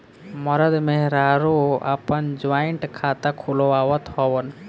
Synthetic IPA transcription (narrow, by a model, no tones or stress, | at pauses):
mʌɾəd̪meɦɾaɾoa̰pənd͡ʒʋaiɳʈkʰat̪akʰuloawət̪ɦɔwən